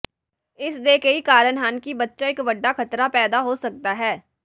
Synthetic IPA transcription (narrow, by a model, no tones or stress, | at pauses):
ɪsd̪eːkeikaːɾənɦaːnkibətːʃaeːkʋɐɖːakʰɐt̪ɾapɛːd̪aɦosɐk̚t̪aɦɛː